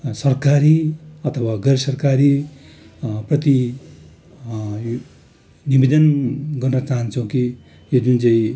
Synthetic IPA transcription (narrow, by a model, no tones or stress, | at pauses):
sʌrkaɾiʌt̪ʰʌwaɡʌɾsʌrkaɾi | prʌt̪i | j | nibed̪ʌnɡʌrnʌt͡saɦʌnt͡sʰʌw̃ki | jod͡zunt͡saĩ